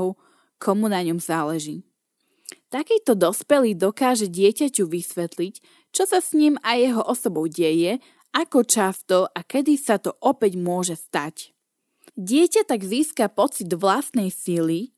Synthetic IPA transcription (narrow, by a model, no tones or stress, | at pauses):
ʊ | kʰɔmunaɲɔmzaːlɛʒiː | t̪akiːt̪ɔd̪ɔspɛliːd̪ɔkaːʒɛɟɪɛcacuʋisʋɛt̪lic | t͡ʃɔsasɲimajɛɦɔʔɔsɔbɔʊɟɛjɛ | ʔakɔt͡ʃast̪ɔʔakɛd̪isat̪ɔʔɔpɛɟmʊɔʒɛst̪ac | ɟɪɛcat̪aɡziːskapɔt͡sid̪ʋlast̪nɛjsili